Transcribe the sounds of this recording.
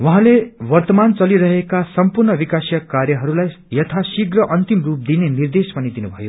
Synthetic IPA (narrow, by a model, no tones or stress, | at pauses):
waɦãlewʌrt̪ʌmant͡sʌliɾʌɦekasʌmpurnʌbikasjʌkarjʌɦʌɾulaj | jʌt̪ʰasiɡrʌʔʌnt̪imrup̚d̪inenird̪espʌnid̪inubʱʌjo